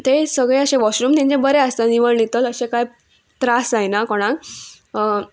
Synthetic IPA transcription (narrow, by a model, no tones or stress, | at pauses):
t̪esəɡɭeəɕẽʋɔɕɾuːmt̪ɛ̃ɲd͡ʑẽbəɾeəst̪aniʋəɳlit̪ələɕẽkaj | t̪ɾasd͡zajnakɔɽ̃ãɡ